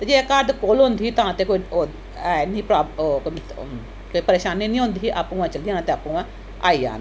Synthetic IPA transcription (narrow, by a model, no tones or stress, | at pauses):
t̪ed͡ʒeːkaːɾd̪koːlõːnd̪iiːt̪ãːt̪eːkoːio | ɛniːpɾaːbk | koːipəɾeːʃaːninĩːɦõːnd̪iːɦiʔaːpũːãːt͡ʃəld̪ijãːnːt̪eaːpũãː | a̰ːija̰ːn